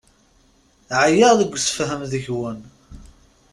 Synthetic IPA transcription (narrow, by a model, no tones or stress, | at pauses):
ʕajəʁðəɡʷːsə̥fɦəmðəçwən